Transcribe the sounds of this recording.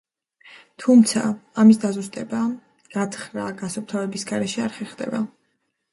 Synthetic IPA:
t̪ʰumt̪sʰa̰ːmisd̪azust̪ʼɛba | ɡ̥at̪ʰχɾaɡ̥asɔp̚t̪ʰavɛbisɡaɾɛʃɛaɾχɛɾχd̪ɛ̰ba

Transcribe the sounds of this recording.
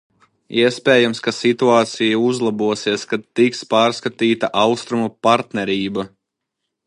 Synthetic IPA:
iɛspʲɛːjamskasit̪uaːt̪sijauzlˠabuɔsiɛskat̪ːikspaːɾskat̪iːt̪aʔɑwst̪ɾumupaɾt̪nɛɾiːba

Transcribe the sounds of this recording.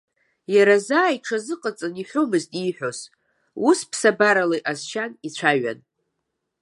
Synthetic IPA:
jaɾazaːiʈ͡ʂʰazɨqʼət͡sʼɨniħʷomɨztʼiħʷᶣoz | uspʰsabaɾalajʔazʃanit͡ɕʷʰaɥa̰n

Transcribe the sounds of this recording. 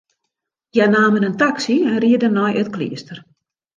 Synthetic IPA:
jɛnaːmənəntaksiɛnriədənːɔjʔətklḭəstər

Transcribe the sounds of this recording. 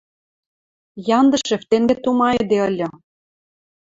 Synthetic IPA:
jɑnd̪ɤ̆ʃĕft̪eŋɡĕt̪umɑĕd̪eɤlʲɤ̆

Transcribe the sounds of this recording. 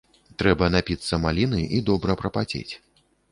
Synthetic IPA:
t̪ɾɛbɐnapʲit̪sːɐmalʲinɨʔid̪ɔbɾɐpɾɐpad͡zʲḛt͡sʲ

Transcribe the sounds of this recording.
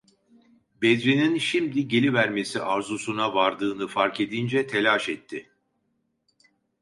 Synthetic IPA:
bɛzɾininʃimd̪iɟe̞lʲivæɾme̞siʔaɾzusunavaɾd̪ɯːnɯfaɾke̞d̪ind͡ʒɛt̪ʰe̞lʲaːʃɛt̪ʰːɪ

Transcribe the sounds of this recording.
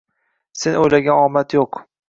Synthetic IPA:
senojlaɡʲanɒmat̪joq

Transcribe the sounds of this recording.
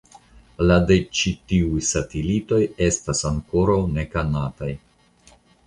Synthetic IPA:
ladet͡ʃitiujsatelito̞je̞stasaŋko̞ɾawne̞kanataj

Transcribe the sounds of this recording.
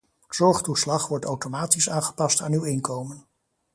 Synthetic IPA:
z̥ɔɹχtuslɑχʋɔɹtawtomaːtisaːnχə̥pɑstaːnywɪŋkowmən

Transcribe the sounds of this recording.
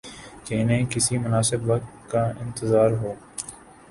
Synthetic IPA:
keɪnẽːkɪsimʊnaːsɪbʋɐk̚t̪kaɪ̃nt̪ɪzaːɾɦoː

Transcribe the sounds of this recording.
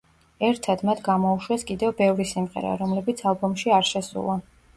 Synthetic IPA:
ɛɾt̪ʰad̪mat̪ʰɡamɔuʃwɛskʼid̪ɛvbɛvɾisimʁɛ̰ɾa̰ɾɔmlɛbit̪sʰalˠbɔmʃiaɾʃɛsṵlˠa

